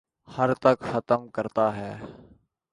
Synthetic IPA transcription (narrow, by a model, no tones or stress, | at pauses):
həɾt̪əkxət̪əmkəɾt̪aːɦɛː